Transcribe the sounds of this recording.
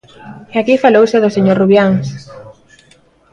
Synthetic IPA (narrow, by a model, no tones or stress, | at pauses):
eakifalowsɪðʊseɲoɾruβjaŋs